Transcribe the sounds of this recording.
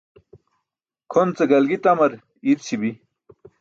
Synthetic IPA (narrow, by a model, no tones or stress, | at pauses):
kʰont͡seɡɐlɡit̪ɐmɐɾ | iɾt͡ɕʰibi